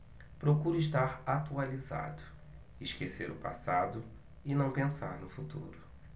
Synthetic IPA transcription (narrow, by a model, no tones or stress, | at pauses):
pɾokuɾʊɪʃt̪aɾat̪ualiza̰d̪ʊ | ɪʃkeseɾʊpa̰sad̪ʊ | ɪnɐ̃w̃pẽsa̰ɾnʊfut̪ṵɾʊ